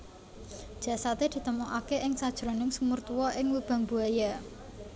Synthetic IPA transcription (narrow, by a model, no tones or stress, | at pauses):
d̥ʒ̥a̤sat̪ed̪̥i̤t̪əmuʔakeʔɪŋsad̥ʒ̥ɾonɪŋsumurt̪uwɔʔɪŋwub̥ä̤ŋbuaja